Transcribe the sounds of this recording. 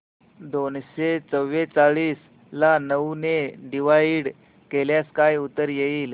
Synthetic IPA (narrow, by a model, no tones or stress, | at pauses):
d̪onɕet͡səʋːet͡saɭiːs | lanəuneɖiʋaiɽ | keljaskajut̪əɾjeiːl